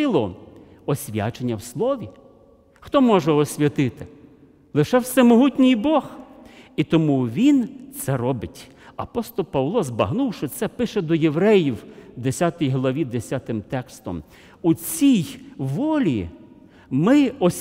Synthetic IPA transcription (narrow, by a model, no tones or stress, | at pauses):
ɪlˠɔɔsʲʋʲja̰t͡ʃenʲːɐwslˠɔʋʲi | xt̪ɔmɔʒɛɔsʲʋʲɐt̪ɪt̪ɪ | lˠɪʃɛwsɛmɔɦutʲnʲijbɔhit̪ɔmuʋʲint̪sɛɾɔbɪtʲ | ɐpɔst̪ɔlˠpɐʋlˠɔzbɐɦnuwʃɪt̪sɛpɪʃɛd̪ɔjeʋɾɛjiwd̪esʲat̪ɔjɦlˠɐʋʲid̪esʲat̪ɪmt̪ɛkst̪ɔ̰m | ut͡sʲijʋɔlʲi | mɪɔsʲ